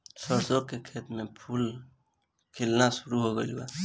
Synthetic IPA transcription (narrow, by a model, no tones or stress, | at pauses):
səɾsokkekʰeːt̪mepʰuːl | kʰelnasuɾuɦoɡḛluwa̰